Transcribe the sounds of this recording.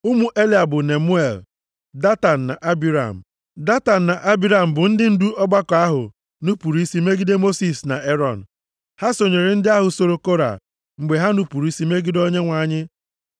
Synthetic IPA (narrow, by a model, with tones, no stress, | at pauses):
ʊ˦mu˨ʔe˦li˨a˨bʊ˨ne˨mu˦e˨l | da˦ta˨n̩˨na˨ʔa˦bi˨˦ɾa̰˨m̩˨ | da˦ta˨n̩˨na˨ʔa˦bi˦ɾa˨m̩˨bʊ˨n̩˦dɪ˦n̩˦du˦ʔɔ˦ɡ͡ba˦ka˦ɦʊ̰˨ | nu˦pu˨ɾi˦si˦me˦ɡi˦de˦mo˦si˨sna̰˨e˦ɾɔ˨n̩˨ | ha˦so˨ɲe˨ɾe˨n̩˦dɪ˦a˦ɦʊ˨so˨ɾo˨ko˦ɾa̰˨ | ŋ͡m̩˨ɡ͡be˨ɦa˦nu˦pu˨ɾu˦i˦si˦me˦ɡi˦do˦ɲe˦ŋʷa˨˦˨ɲɪ˦